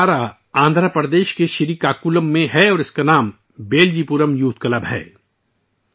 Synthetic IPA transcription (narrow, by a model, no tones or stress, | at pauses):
aːɾa | ãːnd̪ʱɾapɾd̪eːʃkeʃɪɾiːkaːkuləmːẽɦɛɔːɾɪskanaːm | beːld͡ʒiːpuɾəmjuːt̪̚ʰkɐləbɦɛ̰ː